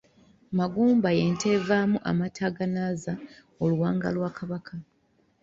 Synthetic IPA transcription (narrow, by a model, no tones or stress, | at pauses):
maɡuːmbaje̞ːnte̞vaːmuʔa̰matʰaɡanaːza | oluwaːŋɡa̰lwaːkaβakʰa